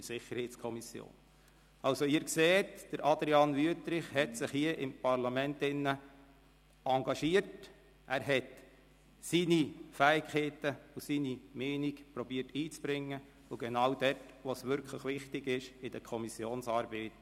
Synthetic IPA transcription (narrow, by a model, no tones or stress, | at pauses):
ɪɾsɪχːəɾhɛɪtskʰɔmisjo̰ːn | ɑlsoɪəɾkseːtd̥əɾʔɑd̪ɾiɑnʋyətɾɪχhɛtsɪχhiəʔɪmpɑɾlɑmɛntɪnːə | ɑŋɡɑʃiəɾt | ʔæːɾɦɛt | sinifæɪkʰɛɪtəusinimɛːnikpɾɔbiːətiːt͡sb̥ɾɪŋːə | ʊɡɛnɑwdɛt | ʋosʋʏɾkʰləχʋɪχtɪɡɪʃɪd̥əkʰɔmisjoːnsɑːɾbɛːt